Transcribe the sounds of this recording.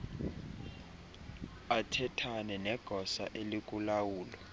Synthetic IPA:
atʰɛtʰanɛnɛɡ̥ʱɔsa̰ʔelik̬ʼulawuːlɔ

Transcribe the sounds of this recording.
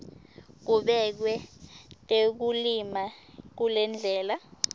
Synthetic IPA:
k̬uɓɛk̬wɛtʼek̬ulimak̬ulɛnd͡ɮʱɛːla

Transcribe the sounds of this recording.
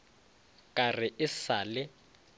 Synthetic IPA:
kʼarɪʔɪsaːlɪ

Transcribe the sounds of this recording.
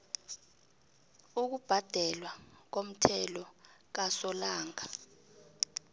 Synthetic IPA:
uk̬ub̥ʱad̥ʱɛlwak̬om̩tʰɛlɔk̬asɔlaːŋa

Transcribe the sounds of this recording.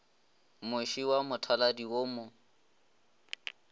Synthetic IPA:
mʊʃiwamʊtʰaladiwoːmʊ

